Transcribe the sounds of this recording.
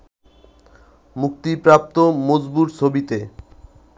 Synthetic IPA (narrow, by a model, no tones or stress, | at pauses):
muk̚t̪ipɾap̚t̪omod͡ʑbuɾt͡ɕʰobit̪e